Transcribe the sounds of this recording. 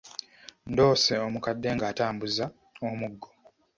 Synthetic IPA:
ndo̞ːseomukadːe̞ːŋɡaːtaːmbuza | omuɡːo

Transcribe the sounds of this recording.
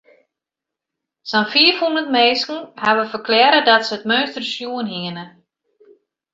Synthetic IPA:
sanfiəfhundəntmeːskŋ̩haʋəfərklɛːɾədɔtsəətmøːstərsjuənɦiənə

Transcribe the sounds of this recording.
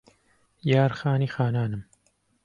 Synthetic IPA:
jaːɾxaːniːxaːnaːnɨm

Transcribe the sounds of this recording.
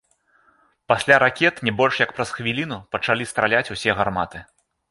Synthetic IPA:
pasʲlʲaɾakʲɛt̪nʲɛbɔlʲʂjɐkpɾɐsxvʲilʲinupɐt͡ʂalʲist̪ɾalʲat͡sʲusʲɛɣarmat̪ɨ

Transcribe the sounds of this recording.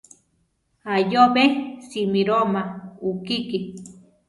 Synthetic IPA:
ajobesimiɾomaukiki

